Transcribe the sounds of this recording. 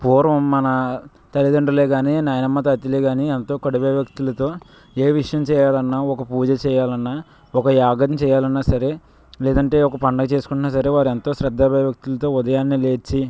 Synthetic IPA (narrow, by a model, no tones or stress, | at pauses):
puːɾʋɐmːɐnɐ | t̪ɐlid̪ɐɳɖɐleːɡaːninaːjɐnɐmːɐt̪̬ɐɐt̪ileɡaːnient̪o̞ːkɐɽɐbeːʋjɐk̚t̪ulɐt̪o̞ː | eːʋiʂɐjɐmt͡ʃɛːjaːlɐnːaːɔkɐpuːd͡ʒɐt͡ʃɛːjaːlɐnːaː | ɔkɐjaːɡɐt̪nt͡ʃɛːjaːlɐnːaːsɐɾe̞ | leːd̪ɐɳʈe̞ːɔkɐpɐɳɖɐt͡ʃe̞ːsu̥kuɳʈunaːsɐɾe̞ːʋaːɾent̪o̞ːsɾɐd̪ʱːaːbɛːʋjɐk̚t̪ulɐt̪o̞ːud̪ɐjaːnːile̞ːt͡ʃːi